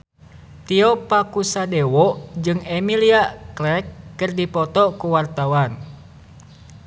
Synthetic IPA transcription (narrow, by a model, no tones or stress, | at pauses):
t̪iɔpakusadɛwɔd͡ʒɨŋɛmiliaklɛkːɨrdipɔt̪ɔkuwart̪awan